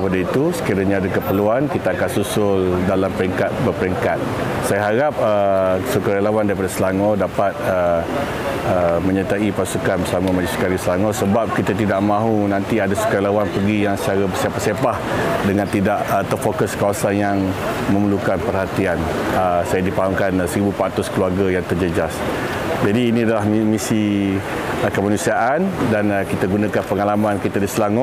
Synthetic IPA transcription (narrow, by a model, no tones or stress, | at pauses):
əpadait̪usə̥kiɾaɲãːdakəpəluankit̪aːkansusʊldalampəɾiŋkat̪̚bərpəɾiŋkat̪̚ | sajaɦaɾap̚əsukaɾelawandaɾipadasəlaŋɔdapat̪̚ə | əmə̃ɲat̪aipasukanbərsamamãd͡ʒusu̥kaɾisəlaŋɔsəbap̚kit̪at̪idaʔmãɦunãnt̪iadasu̥kaɾelawanpəɡijaŋsət͡ʃaɾabəsepahsepahdəŋãnt̪idaʔət̪ərfokəskawasanjaŋmə̃məlukanpərhat̪ian | əsajadipaɦamkansəɾibupaʔt̪ʊskəluarɡajaŋt̪ərd͡ʒəd͡ʒas | d͡ʒadiːnĩadalahmmisi | əkəmanũsiaʔandanəkit̪aɡunãkanpəŋalamãnkit̪adislaŋɔ